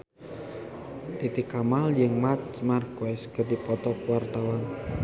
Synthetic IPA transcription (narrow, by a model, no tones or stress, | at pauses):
t̪it̪ikamaljəŋmat͡ʃmarkoɛskərdipɔt̪ɔkwart̪awan